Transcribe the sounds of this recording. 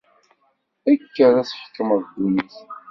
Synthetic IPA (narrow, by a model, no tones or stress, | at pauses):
ækːəɾæsħə̥kːəməðd̪uniθ